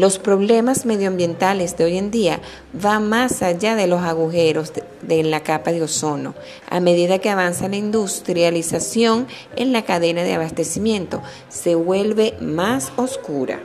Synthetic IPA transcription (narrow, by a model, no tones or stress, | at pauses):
lo̞spɾo̞βle̞masme̞ðjoambje̞nt̪ale̞sðeo̞je̞nd̪ia | βaŋmasaʝaðe̞lo̞saɣuxe̞ɾo̞s | ðenlakapaðeo̞so̞no̞̰ | ʔa̰me̞ðiðake̞aβansalaind̪ust̪ɾjalisasjo̞ŋ | e̞̰nlakaðe̞naðe̞aβast̪e̞simjẽ̞nt̪o̞ | se̞βwe̞lβe̞maso̞skuɾa̰